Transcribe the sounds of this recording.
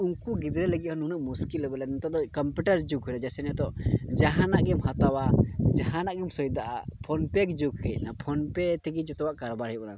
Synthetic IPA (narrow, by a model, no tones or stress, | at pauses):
uŋkuɡid̪ɾɛləɡiʔ̚hɔnunuʔmuskilbɛlɛnɛnt̪ad̪ɔkɔmpuʈəɾd͡ʒuɡɦujɾad͡ʒɛsɛnjat̪ɔʔd͡ʒaɦanaʔɡɛmhat̪awad͡ʒaɦãnaʔɡɛmsɔjid̪aʔapʰɔnpɛkd͡ʒuɡ̚kɛc̚napʰɔnpɛt̪ʰɛɡid͡ʒɔt̪ɔwaʔkaɾbaɾhɛjʔna